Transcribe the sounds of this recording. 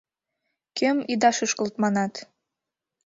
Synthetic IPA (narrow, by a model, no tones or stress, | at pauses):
kømid̪ɑʃɤʃkə̆lt̪mɑnɑt̪